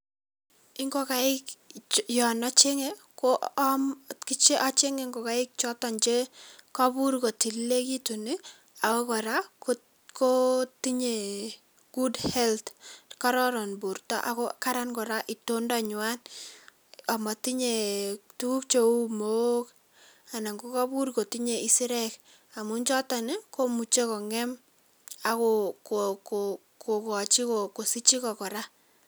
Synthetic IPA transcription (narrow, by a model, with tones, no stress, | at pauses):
ɪ˦ŋɡɔ˦ka˨ɪ˦kjɔ˨nɔ˦t͡ʃe˦ŋɛ˦ | ko˦ʔmki˦t͡ʃe˦ʔɔ˦t͡ʃe˦ŋe˨ŋɡɔ˨ka˨˦ɪ˦k̚t͡ʃɔ˦tɔ˨nt͡ʃe˦kɔ˦bu˦ɾko˨ti˨lːe˦ki˦tu˨ni˦ | a˨kɔ˦kɔ˨ɾa˦k | ko˦ti˦ɲe˨ | ɡ̥u˦dhɛ˦ltkɔ˦ɾɔ˦ɾɔ˨nbu˨ɾtɔ̰˦ʔa̰˦kɔ˦ka˦ɾa˦nkɔ˨ɾa˦ʔɪ˨to˦nda˦ɲʊ˨a˦n | ɔ˨ma˨ti˦ɲe˨tu˦ku˦k̚t͡ʃo˦u˦mo˦k | a˨na˨ŋɡu˦kɔ˦bu˦ɾko˨ti˦ɲe˨i˦si˦ɾɛ˦k | a˨mu˦nt͡ʃɔ˦ta˨nɪ˦ko˦mu˨t͡ʃe˦kɔ˨ŋɛ˦m | a˨kokoko | ko˨kɔ˨t͡ʃi˦koko˨si˦t͡ʃi˦kɔ˨kɔ˨ɾa˦